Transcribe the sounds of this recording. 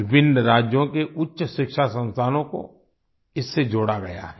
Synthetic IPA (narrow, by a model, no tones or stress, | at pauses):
ɪbɪ̃nɾaːd͡ʒjõkeʔʊtːʃəʃɪkʃasə̃nst̪ʰaːnõko̰ | ɪsːed͡ʒoːɽaɡɐja̰ɦɛ